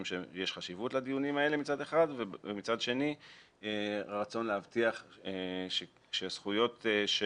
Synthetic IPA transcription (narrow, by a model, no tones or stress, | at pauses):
mʃejeʃχaʃivutlad̪ijunimae̞lemit͡sad̪eχadvemit͡sad̪ʃe̞ni | eʁat͡so̞nlehavt̪iaχeʃe | ʃeasχujo̞t̪ʃ